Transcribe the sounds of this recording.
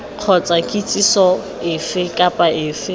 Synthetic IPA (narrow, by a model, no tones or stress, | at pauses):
q͡χʰɔt͡sʼakʼit͡sʼisɔ | ɪfɪkʼapʼaɪːfɪ